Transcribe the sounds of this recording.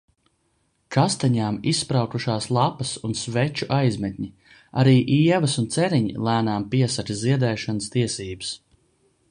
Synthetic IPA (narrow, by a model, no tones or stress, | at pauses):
kast̪aɲaːmisːpɾawkuʃaːslˠapɐsunsvɛt͡ʃuʔajzmɛt̪̚ʲɲi | a̰ɾiːʔiɛvɐsunt̪sɛɾiɲḭlˠæːnaːmpiɛsaɾʲiziɛd̪ɛːʃanəst̪iɛsiːbəs